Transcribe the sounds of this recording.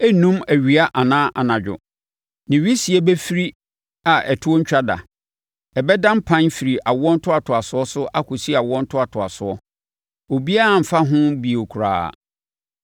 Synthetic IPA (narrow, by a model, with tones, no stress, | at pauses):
ɛ˦nũ˦mæ˨ɥi˨a˦ʔa˨nãː˦ʔa˨nã˨d͡ʑᶣʊ̰˨ | nɪ̃˨ɥi˦si˨e˦bɛ˦fi˦ɾi˦ | a˨ʔɛ˨tʰʊ˦ɔ˦ɲ̩˦t͡ɕᶣa˦da̰˨ | ɛ˨bɛ˦dã˦m˦pʰã˦nfi˨ɾi˨ʔa˨wɔ˦n̩˦tʰʊ˦a˨tʰʊ˨a˨sʊ˨˦ɔ˦sʊ˦ʔa˦kʰʊ˨si˦a˨wɔ̃˦n̩˦tʰʊ˦a˨tʰʊ˨a̰˨sʊ˨ɔ˦ | o˨bi˦a˦a˨m̩˨fa˦ɦʊ̃˦bi˨o˨kʰu˨ɾa̰ː˨